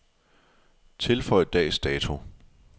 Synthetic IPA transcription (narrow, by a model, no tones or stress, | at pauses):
t͡sʰe̝lfɒ̽ɪ̰d̥ɛ̰ːsd̥ɛːt͡sʰo̝